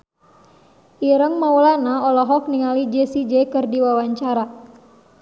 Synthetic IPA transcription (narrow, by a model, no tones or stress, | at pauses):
ʔiɾəŋmaulanaɔlɔɦɔk̚niŋalid͡ʒesid͡ʒɛkɨrdiwawaɲt͡ʃaɾa